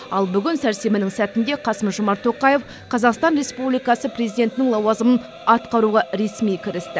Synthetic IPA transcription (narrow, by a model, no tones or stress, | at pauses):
ɑlˠbʏɡʲɪnsæɾse̞mɪnɪŋsæt̪ɪnd̪e̞qʰɑsəmʒʊmɑɾt̪ʰːo̞qɑje̞f | qʰɑzɑqst̪ɑnɾe̞spublijkɑsəprʲezijd̪e̞nt̪ɪnɪŋlˠɑwɑzəmən | ɑt̪qɑɾuʁɑɾe̞smijkʲʰɪɾɪst̪ɪ